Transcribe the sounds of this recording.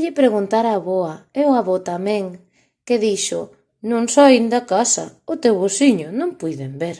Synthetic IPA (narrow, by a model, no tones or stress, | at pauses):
ʎɪpɾeɣunt̪aɾaːβɔɐewaβɔt̪amẽŋ | keðiʃʊ | nõŋsɔind̪ɐkasɐ̰ʊt̪ewβosiɲʊnõŋpujðembeɾ